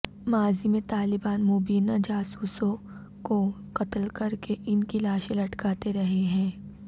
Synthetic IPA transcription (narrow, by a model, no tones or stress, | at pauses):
maːzimẽt̪aːlɪbaːnmobiːnad͡ʒaːsuːsõ | ko | qɐt̪əlkɐɾkeʔɪnkilaːʃẽlɐʈkaːt̪eɾɐɦeɦɛ̃ː